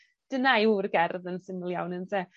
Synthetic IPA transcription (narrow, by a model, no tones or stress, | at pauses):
d̥ənajuːrɡɛrðənsɪməlˠja̰wnəntʰɛ